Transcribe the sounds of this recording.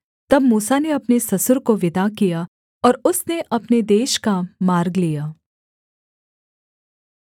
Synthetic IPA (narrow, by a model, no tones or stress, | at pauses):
t̪ɐb̚muːsaneɐpnesɐsʊɾkoʋɪd̪akija | ɔːɾʊsneʔɐpned̪eːʃkamaːɾɡlijaː